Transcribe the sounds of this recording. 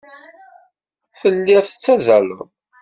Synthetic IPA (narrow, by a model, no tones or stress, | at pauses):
θənlːiæθθə̥t͡sːæzælə